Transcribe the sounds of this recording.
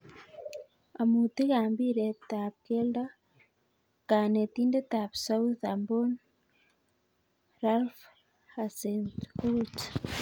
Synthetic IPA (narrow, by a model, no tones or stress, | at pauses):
amuːt̪iɣaːmbiɾet̪aβ̚kelda | kaːnet̪iːndet̪aβsauθambon | ɾalf | hasenkut͡ʃ